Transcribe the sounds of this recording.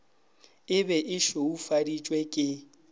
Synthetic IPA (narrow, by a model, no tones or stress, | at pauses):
ɪbɛʔɪʃoufadit͡ʃʼwɛkʼɪ